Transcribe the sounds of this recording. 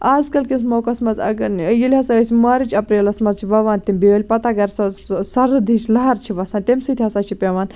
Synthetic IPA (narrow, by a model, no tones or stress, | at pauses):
aːzkɐlkinsmoːkɐsmɐzɐ̰ɡɐnjilʲɦɐsɐɐsʲimaːɾit͡ʃʰɐpɾeːlɐsmɐzt͡ʃʰiʋɐʋaːnt̪imʲbiɐlʲpɐt̪aɡɐɾsɐsɐɾɨd̪ʱiːt͡ʃʰlɐɦɐɾt͡ʃʰiʋɐsaːnt̪emʲsit̪ʲʰɐsaːt͡ʃʰipʲeːʋaːn